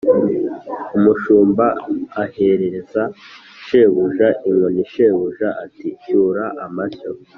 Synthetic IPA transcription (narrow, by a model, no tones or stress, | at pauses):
umuʃuːmbaahe̞ɾe̞ɾeza | ʃeβuʒaʔiŋoniʃe̞βuʒaʔatiʃuːɾaʔamaso